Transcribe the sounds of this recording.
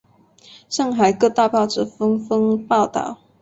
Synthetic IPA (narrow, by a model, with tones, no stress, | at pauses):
ʂɑ˥˩ŋxa˨˩ɪkɤ˥˧t̪a˥˧pɑ˥˩ʊʈ͡ʂ̩˥˩fɤ˥ŋfɤ˥ŋpɑ˥˧ʊt̪ɑ̰˥˩˨ʊ